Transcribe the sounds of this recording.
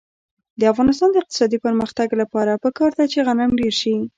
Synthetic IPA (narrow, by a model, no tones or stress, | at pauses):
d̪əafɣɑnɪs̬t̪ɑnd̪əɪq̚t̪ɪ̥sɑd̪ipəɾməxt̪aɡlapɑɾapəkɑɾd̪at͡ʃeɣanamɖeɾʃi